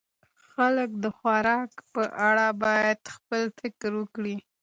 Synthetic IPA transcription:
xalək̚d̪əxwaɾɑkpəʔaɽabɑjad̪̥xpəlfɪkɾwəkɽi

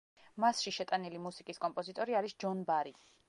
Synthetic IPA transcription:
masʃiʃɛt̪ʼanilimusikʼiskʼɔmpʼɔzit̪ʼɔɾiaɾisd͡ʒɔnbaɾi

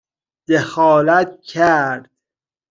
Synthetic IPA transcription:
d̪̥exɒːlæt̪cʰæɾd̪̥

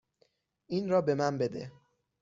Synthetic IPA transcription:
ʔiːnɾɒːbe̞mænbe̞d̪ḛ

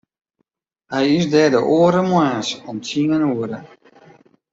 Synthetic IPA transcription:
hɛjisdɛːdəʔoəɾəmwɛːnsɔmtʰiŋənuəɾə

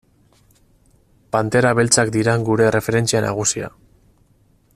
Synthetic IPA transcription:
pant̪e̞ɾaβe̞lt͡sakd̪iɾaŋɡuɾe̞re̞fe̞ɾe̞nt͡sianʔa̰ɣ̞usia̰

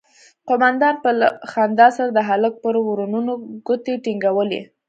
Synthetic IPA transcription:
qʊmand̪ɑnpəxand̪ɑsaɾad̪əɦalək̚pəɾwɾununoɡʊt̪eʈiŋɡawəlḛ

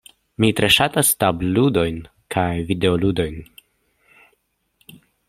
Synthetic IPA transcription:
mitɾe̞ʃatastabludo̞jn | kʰajvide̞oludo̞jn

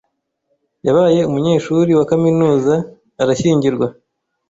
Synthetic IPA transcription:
jaβaːje̞umuɲe̞ːʃuɾiwakaminuːzaː | ɾaçiːɲɟiɾɡwa

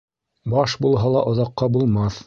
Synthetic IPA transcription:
bɑʃbulˠɦɑlˠɑʔŏðɑqːɑbulˠmɑθ

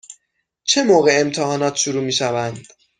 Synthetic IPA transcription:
t͡ʃʰe̞moːɣe̞emt̪ʰehɒːnɒːt̪ʰʃuɾuːmiːʃævænd̪̥

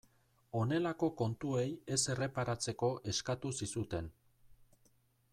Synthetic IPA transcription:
o̞ne̞lako̞ko̞nt̪ue̞je̞se̞re̞paɾat͡se̞ko̞ʔe̞skat̪usisut̪e̞n

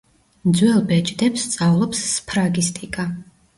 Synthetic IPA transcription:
md̪zwɛlˠbɛt͡ʃʼd̪ɛpst̪sʼavlˠɔpsːpʰɾaɡist̪ʼikʼa

